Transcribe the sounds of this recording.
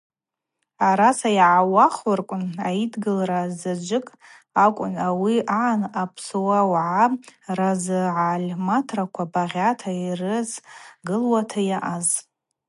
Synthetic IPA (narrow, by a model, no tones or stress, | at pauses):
aɾasajʕawaχɨrkʷʼʊna̰idɡɨlrazad͡ʒʷɪkʼ | akʷʼʊnawiʔaʕanapʰsowawʕarazɨʕalʲmatʰrakʷʰabaʁʲatʰairɨzɡɨlwatʰajaʔaz